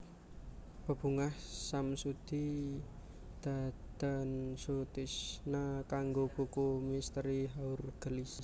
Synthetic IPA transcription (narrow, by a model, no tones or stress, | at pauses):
b̥ə̤b̥uŋahsamsud̪̥i | d̪̥a̤t̪ənsut̪ɪsnakaŋɡob̥ukumist̪ɾiɦaurɡ̥əlis